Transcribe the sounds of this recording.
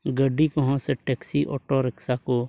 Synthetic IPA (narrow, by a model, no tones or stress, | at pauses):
ɡəɖːikɔɦɔ̃seʈɛːksiʔɔ̰ːʈoɾɪksako